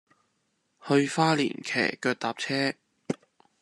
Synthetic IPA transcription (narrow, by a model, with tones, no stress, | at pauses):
hɵ˧ɥfaː˥lḭː˨˩nkʰɛ̰ː˨˩kœː˧t̚t̪aː˨p̚t͡sʰɛː˥